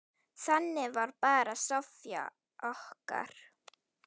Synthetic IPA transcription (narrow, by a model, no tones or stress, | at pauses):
θanːɪvaɾpaːɾasɔfja̰ | ɔhka̰ɾ̥